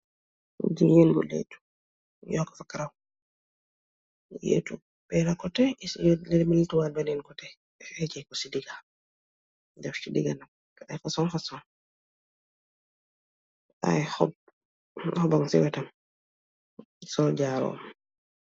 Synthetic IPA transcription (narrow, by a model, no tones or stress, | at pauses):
d͡ʒijenɡṵlḛtu̥ | jɔkḁfakaɾaw | jḛtu | bɛlakɔtɛlɛmiltuwabanɛnkɔtɛ | hɛt͡ʃɛkɔsidiɡa | dɛft͡ʃidiɡanak | ajfasɔnfasɔn | a̰jhɔb̚ | hɔbaŋsɛ̰wɛtam | sɔlɟaɾɔ̰ːm